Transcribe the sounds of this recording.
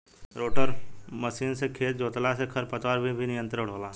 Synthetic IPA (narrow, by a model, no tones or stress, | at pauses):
ɾoːʈəɾməsiːnsekʰeːt̪d͡ʒoːt̪lasekʰɐɾpət̪waɾbʱibʱinɪjə̃nt̪ɾəʊɽ̤oːlaː